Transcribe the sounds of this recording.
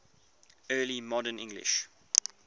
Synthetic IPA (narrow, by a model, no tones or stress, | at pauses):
ɜːlimɔdənɪ̰̃ŋɡlɪ̰ʃ